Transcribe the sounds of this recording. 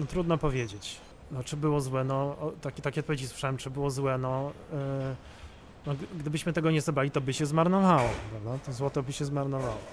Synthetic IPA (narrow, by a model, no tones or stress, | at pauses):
nɔt̪ɾud̪nɔpɔvʲjed͡ʑet͡ɕ | nɔt͡ʂɘbɘwɔzwɛnɔt̪akʲɛt̪akʲɛɔt̪pɔvʲjed͡ʑiswɘ̥ʂawɛmt͡ʂɘbɘwɔzwɛnɔ | nɔɡd̪ɘbɘɕmɘt̪ɛɡɔɲɛzabɾalʲit̪ɔbɘɕɛzmaɾnɔvawɔpɾavd̪at̪ɔzwɔt̪ɔbɘɕɛzmaɾnɔvawɔ